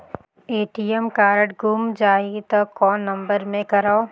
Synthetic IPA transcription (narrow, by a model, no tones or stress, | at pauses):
eːʈiɛmkaːɾəʈɡumd͡ʒaːit̪ɐkːɔːnːɐ̃mbəɾmẽkɐɾao